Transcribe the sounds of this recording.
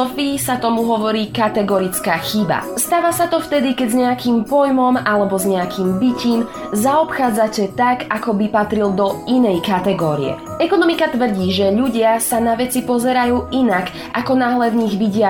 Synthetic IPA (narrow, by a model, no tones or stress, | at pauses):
ɔfiːsat̪ɔmuɦɔʋɔɾiːkat̪ɛɡɔɾit͡skaːxiba̰st̪aːʋasat̪ɔft̪ɛd̪ikɛɟzɲɛakiːmpɔjmɔmalɛbɔzɲɛakiːmbiciːm | zaɔpxaːd͡zacɛt̪akakɔbipat̪ɾild̪ɔinɛjkat̪ɛɡɔːɾḭɛ̰ | ɛkɔnɔmikat̪ʋr̩ɟiːʒɛʎuɟɪasanaʋɛt͡sipɔzɛɾajuːʔinak | akɔnaːɦlɛvɲiɣʋiɟɪa